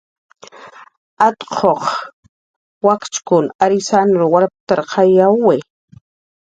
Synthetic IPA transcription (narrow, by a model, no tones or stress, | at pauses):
at̪qʰoχ | wakt͡ʃkʊnaɾɪsand̪ɾowaɾpt̪aɾqʰajawwɪ